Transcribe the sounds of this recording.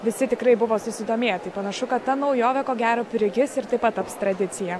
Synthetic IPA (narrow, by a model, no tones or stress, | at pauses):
ʋʲɪsʲɪt̪ʲɪkɾɐɪbʊʋoːsʊsʲɪd̪oːmʲeːjɛt̪ɐɪpɐnɐʃʊkɐt̪tːɐnɐʊjoːʋʲɛkoːɡʲæːɾoːpʲɪɾʲɪɡʲɪsɪɾt̪ɐɪpɐt̪̚t̪ːɐpst̪ɾɐd̪ʲɪt̪sʲɪjɛ